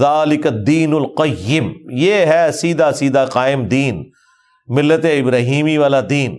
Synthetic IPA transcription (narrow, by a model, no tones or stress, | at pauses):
aːlɪkɐd̪iːnʊlqɐjːɪmjeːɦɛsiːd̪asiːd̪aqaːɪmd̪iːn | mɪlːət̪eɪbɾaːɦiːmiʋaːlad̪iːn